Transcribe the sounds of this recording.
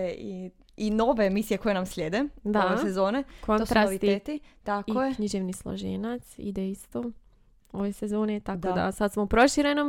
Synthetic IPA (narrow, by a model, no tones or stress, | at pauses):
ei | ino̞ʋeːmisijeko̞jenamslʲjeːd̪ed̪aʋesezoːnekʰont̪ɾasit̪it̪it̪akojeɲiʒeʋnislˠo̰ʒḛnat̪sḭd̪eist̪o | oʋesezo̞ːnet̪akod̪a̰sad̪smoupɾo̞ʃiɾenom